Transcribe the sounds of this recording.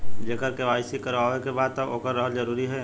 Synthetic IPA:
d͡ʒeːkəɾkeʋaːɪsikəɾʋaːʋekebaːd̪̚t̪əoːkəɾːəɦəld͡ʒəɾuːɾiɦɛː

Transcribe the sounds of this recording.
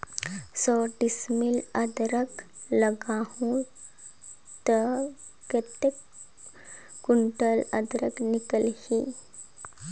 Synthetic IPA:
sɔɖismiləd̪ɾəkləɡahũ | t̪əket̪ek | uɳʈələd̪ɾəknikəlhi

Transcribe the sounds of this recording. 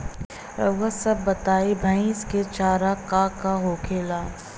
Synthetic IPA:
wəsɐbːɐt̪aːibʱaĩɪsket͡ʃaːɾakaːkaɦoːkʰeːlaː

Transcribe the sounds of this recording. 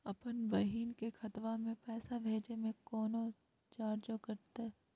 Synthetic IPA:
ɐpənbɐɦiːnkekʰɐt̪ʋamẽpɛːsabʱeːd͡ʒemẽkɔːno | t͡ʃaːɾd͡ʒokɐɾt̪e

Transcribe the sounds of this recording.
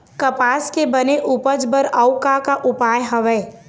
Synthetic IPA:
kɐpaːskebəneʔupəd͡ʒbəɾəʊkakaʔʊpaːjɦəʋɛː

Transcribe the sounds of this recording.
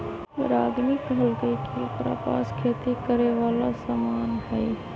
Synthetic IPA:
ɾaːɡmikəlɡəikipɾa̰pa̰ːskʰeːt̪ikəɾeʋaːlasaːmaːnɦɛː

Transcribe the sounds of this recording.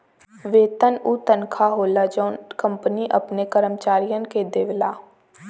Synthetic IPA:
ʋeːt̪ənut̪ənkʰaɦoːlad͡ʒɔːnkɐ̃mpəniʔɐpnekəɾəmt͡ʃaːɾijənked̪eːʋlaː

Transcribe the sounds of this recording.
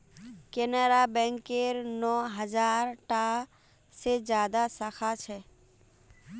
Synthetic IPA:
keneɾaːbɛ̃ːŋkeɾnɔːɦəd͡ʒaːɾʈaː | sed͡ʒjaːd̪asəxʰat͡ʃʰɛː

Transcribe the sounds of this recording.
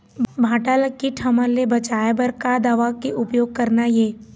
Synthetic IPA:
bʱaːʈalɐkːiʈʰɐməɾlːebɐt͡ʃaːebəɾkad̪aːʋakeʔʊpjoːɡ̚kɐɾnajeː

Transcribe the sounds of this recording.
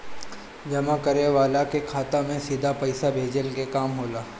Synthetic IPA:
d͡ʒɐmakɐɾeʋaːlakekʰaːt̪ãmẽsiːd̪ʱapɐɪsabʱeːd͡ʒəlkekaːmɦoːlaː

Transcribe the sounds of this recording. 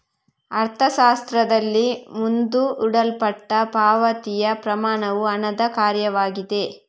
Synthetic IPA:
ɐɾt̪ʰɐʃaːst̪ɾɐd̪ɐlːimund̪uʔuɽɐlpɐʈːɐpaːʋɐt̪ijɐpɾɐmaːɳɐʋuɐnɐd̪ɐkaːɾjɐʋaːɡid̪e̞

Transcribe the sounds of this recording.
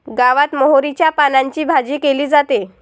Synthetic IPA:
ɡaʋat̪mɔɦoɾit͡ɕjapanãɲt͡ɕiːbʱad͡ʑiːkeliːd͡zat̪e

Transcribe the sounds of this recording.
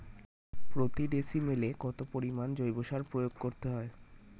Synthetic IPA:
pɾot̪iɖesimelekɔt̪opoɾimand͡ʑojboʃaɾpɾojoɡkoɾt̪eɦɔe

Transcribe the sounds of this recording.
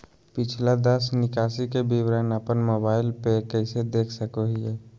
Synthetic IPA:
pɪt͡ʃʰlad̪əsnɪkaːsikebiwɾanapənmoːbaːɪlpekɛɪsed̪eːkʰsəkoɦiɛ

